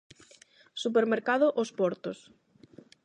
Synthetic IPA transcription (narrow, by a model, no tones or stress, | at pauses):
supeɾmeɾkaðʊʔospɔɾt̪os